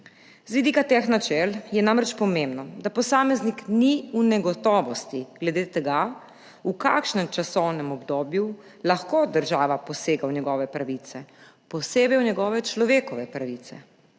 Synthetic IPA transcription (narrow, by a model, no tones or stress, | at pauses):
z̥ʋid̪ikat̪exnat͡ʃɛljɛnamɾɛt͡ʃpɔmẽmbnɔd̪apɔsaːmɛznikniunɛɡɔt̪ɔːʋɔst̪iɡlɛd̪eːt̪ɛɡa | uka̰ːkʃnɛmt͡ʃasɔwnɛmɔbd̪oːbju | laxkod̪əɾʒaːʋapɔseːɡawnjɛɡɔːʋɛpɾaʋit̪sɛ | pɔseːbɛjwnɛɡɔːʋɛt͡ʃlɔʋeːkɔʋɛpɾaʋiːt̪sɛ̰